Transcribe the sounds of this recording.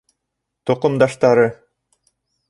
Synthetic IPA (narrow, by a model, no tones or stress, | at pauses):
t̪oqumd̪ɑʃt̪ɑɾɯ